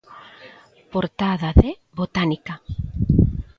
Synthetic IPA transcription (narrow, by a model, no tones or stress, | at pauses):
poɾt̪aðaðe | βot̪anika